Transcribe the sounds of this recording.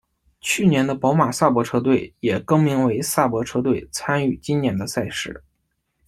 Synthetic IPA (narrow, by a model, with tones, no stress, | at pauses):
t͡ɕʰy˥˩njɛ˧˥nd̪ə˧pɑ˧˥ʊma˨˩sa˥˩pwɔ˧˥ʈ͡ʂʰɤ˥t̪we˥˩ɪjɛ˨˩kɤ˥ŋmi˧˥ŋwe˧˥ɪsa˥˩pwɔ˧˥ʈ͡ʂʰɤ˥t̪we˥˩ɪt͡sʰa˥ny˥˩t͡ɕi˥njɛ˧˥nd̪ə˧sa˥˧ɪʂɻ̩˥˩